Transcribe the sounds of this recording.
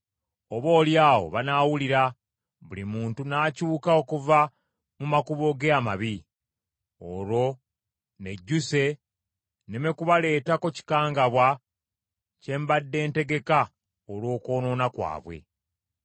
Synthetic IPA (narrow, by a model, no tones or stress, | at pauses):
oβo̞ːljaːwo̞̰βanaːwuliɾa | βulimuːntunaːcuːkaokuva | mumakuβo̞ɡeamaβi | olo̞ | ne̞ɟːuse̞ | neme̞kuβale̞ːtakoci̥kaːŋɡaβwa | ce̞ːmbadːe̞ːnte̞ɡe̞ka | olwo̞ːko̞ːno̞ːnakwa̰ːβwe̞̰